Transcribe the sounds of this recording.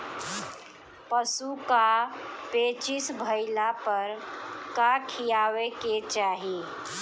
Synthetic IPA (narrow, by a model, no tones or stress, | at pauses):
pəsukapet͡ʃɪsbʱəɪlapəɾkakʰijaweket͡ʃaːɦi